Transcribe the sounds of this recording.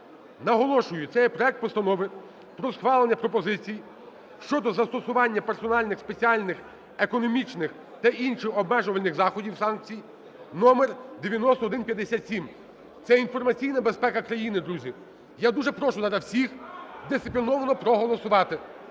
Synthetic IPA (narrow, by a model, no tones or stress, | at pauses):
nɐɦɔlˠɔʃʊjʊt̪sɛjɛpɾɔɛk̚t̪̚pɔst̪ɐnɔʋɪ | pɾɔsxʋɑlˠenʲːɐpɾɔpɔzɪt͡sʲiji | ʃt͡ʃɔd̪ɔzɐst̪ɔsʊʋɑnʲːɐpersɔnɑlʲnɪxspet͡sʲiɑlʲnɪx | ekɔnɔmʲit͡ʃnɪx | t̪ɐʔinʃɪxɔbmɛʒʊʋɐlʲnɪxzɑxɔdʲiwsɑnk̚t͡sʲij | nɔmerd̪eʋʲjɐnɔst̪ɔːd̪ɪnpʲjɐd̪ːesʲat̪sʲim | t̪sɛinfɔrmɐt͡sʲijnɐbespɛkɐkɾɐjinɪd̪ɾuzʲi | jad̪uʒɛpɾɔʃʊzɐɾawsʲixd̪ɪsɪpʲlʲinɔʋɐnɔpɾɔɦɔlˠɔsʊʋɑt̪ɪ